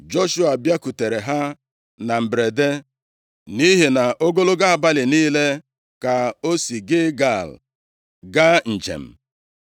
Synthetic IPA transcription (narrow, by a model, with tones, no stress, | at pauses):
d͡ʒo˦ʃu˦a˨bja˦ku˨te˨ɾe˨ɦa˦ | na˨m̩˨bɾe˨de˦ | ni˦ɦe˨na˨ʔo˦ɡo˦lo˦ɡa˦a˨ba˦lɪ˨niː˦le˦ | ka˨o˦si˨ɡɪ˦ɡa˦˨l | ɡa˦n̩˨d͡ʒḛ˨m̩˨